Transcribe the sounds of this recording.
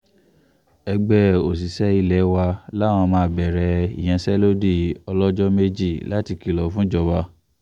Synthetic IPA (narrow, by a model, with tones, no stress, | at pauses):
ɛ˧ɡ͡bɛ˦o˨s̬i˨sɛ˦i˧lɛ˨˦wa˧la˦˨w̃ɔ̃˧mãː˨˦˨bɛ˨ɾɛ˧ḭ˨j̃ɛ̃˨˧sɛ˦lo˦di˦˨ɔ˧lɔ˦d͡ʒɔ˦me˦d͡ʒi˦˨la˨˦ti˧ki˦˨lɔ˨˦fũ˦d͡ʒɔ˧ba˧